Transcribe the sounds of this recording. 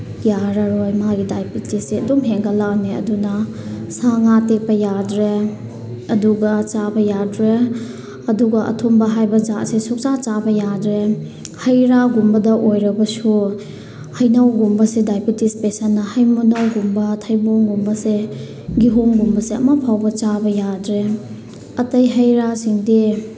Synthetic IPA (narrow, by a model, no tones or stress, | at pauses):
jaɾaɾojmaɦaɡidajpitisseɐdumɦeŋɡɐlaniɐ̰dunɐsaŋatek̚pɐjadɾe | ɐduɡat͡ʃabɐjadɾe | ɐduɡɐʔɐ̰tʰumbɐɦajbɐd͡ʒaʔsesuk̚t͡ʃat͡ʃabɐjadɾe | hɐjɾaɡumbɐdɐʔojɾɐbɐsu | hɐjnawɡumbɐsedajpitispesanːɐhɐjmunawɡumbɐtʰajboŋɡumbɐse | ɡiɦoŋɡumbɐseɐ̰mapʰawbɐt͡ʃabɐjadɾe | ɐtɐjɦɐjɾasiŋdi